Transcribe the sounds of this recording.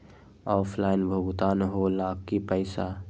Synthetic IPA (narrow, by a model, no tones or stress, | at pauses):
ɔːfʰlaːɪnbʱɐɡʊt̪aːnɦolaːkːipəɪsa